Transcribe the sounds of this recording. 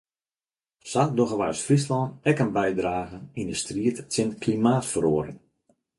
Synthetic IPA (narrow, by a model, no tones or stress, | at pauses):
sadoɣəʋa̰jsfrislɔnɛkənbɛjdraːɣənindəstriətsɪnkʰlimaːtfəɾoəɾɪŋ